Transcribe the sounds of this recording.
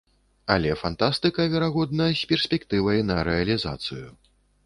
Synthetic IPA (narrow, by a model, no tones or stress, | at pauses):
alʲɛfant̪ast̪ɨkɐvʲɛɾaɣɔd̪nɐsʲpʲɛrsʲpʲɛkt̪ɨvɐjnɐɾɛɐlʲiza̰t̪sɨju